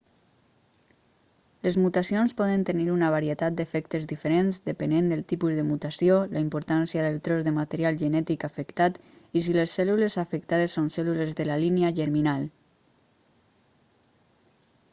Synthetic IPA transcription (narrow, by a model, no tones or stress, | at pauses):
lezmut̪asionspɔðənt̪eniɾunaβ̞aɾiet̪at̪̚d̪efɛkt̪ezðifeɾenzd̪əpenend̪əlˠt̪ipuzðəmut̪asiolaimpoɾt̪ansjaðelˠt̪ɾɔzðəmat̪eɾialʒənɛt̪ikafekt̪at̪is̬ilesːɛlulezafek̚t̪að̞esːonsɛlulezðəlalineaʒəɾminal